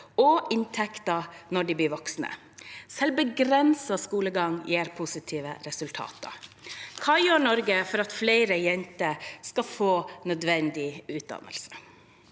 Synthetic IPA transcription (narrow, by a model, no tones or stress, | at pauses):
ɔʔɪnt̪ʰɛkt̪ɑnɔɖibliːʋɔksnə̰ | sɛlbəɡɾɛnsɑskuːləɡɑŋjeːɾpʰʊsɪt̪ʰiːʋə̰ɾɛsʉlt̪ʰɑ̰ːt̪ə̰kʰɑːjøːɳɔɾɡəfɔɾɑt̪flæɪɾəjɛnt̪əskɑfoːnœd̪ʋɛnd̪ɪʉːt̪̚d̪ɑ̰nə̰lsə̥